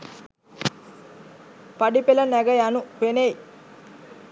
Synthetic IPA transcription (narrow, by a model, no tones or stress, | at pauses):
pɐɖipelɐnɛɡɐjanuʋenej